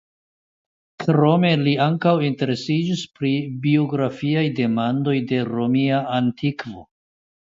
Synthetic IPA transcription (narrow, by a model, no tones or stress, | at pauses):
kɾo̞me̞liaŋkawinte̞ɾe̞sid͡ʒispɾibio̞ɡɾafiajde̞mando̞jde̞ɾo̞miaantikvo̞̰